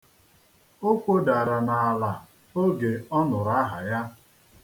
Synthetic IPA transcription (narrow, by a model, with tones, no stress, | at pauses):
o˦kʷo˦da˨ɾa˨na˨a˨la˨ | o˦ɡe˨ɔ˦nʊ˨ɾa˦ɦa̰˨ja˦